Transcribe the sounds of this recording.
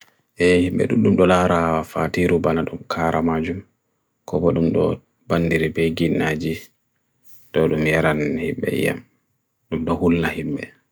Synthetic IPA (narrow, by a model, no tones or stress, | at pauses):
ʔɛhimbɛ̰ɗṵɗumɗɔlaɾafatiɾubanaɗumkʰaɾamad͡ʒum | kɔbɔɗumɗɔ̰ | bandiɾibɛjɡinːad͡ʒi | dɔɗumjaɾanhḭmbɛ̰ja̰m | ɗumɗɔhulnahimɓɛ